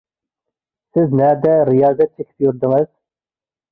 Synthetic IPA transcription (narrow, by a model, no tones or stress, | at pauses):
sɪznæd̪æɾijɑːzæt̪̚t͡ʃʰekʲʰɪ̥p̚juɾd̪ɪŋɪz̥